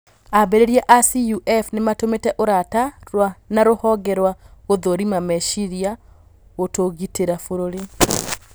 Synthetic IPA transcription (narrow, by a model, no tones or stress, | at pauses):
abeɾeɾiɛʔasijuʔɛfnematometɛʔoɾataɾwanaɾohɔɡɛɾwaɣoðoɾimamɛʃiɾia | ɣotoɣiteɾafoɾoɾe